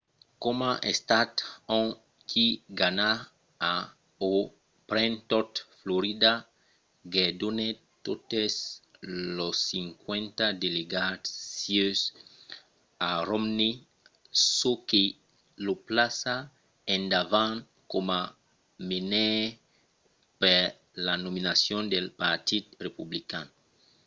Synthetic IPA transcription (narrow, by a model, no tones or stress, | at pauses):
komaʔest̪at̪õ | kʰiɡana | a | o | pɾẽnt̪ɔt̪floɾid̪a | ɡed̪one | t̪ot̪es | losiŋkwẽnt̪ad̪eleɡasjøs | aromni | soke | loplasa | ẽnd̪avãn | koma | mine | pe | lanominasjõnd̪elpaɾt̪id̪republikan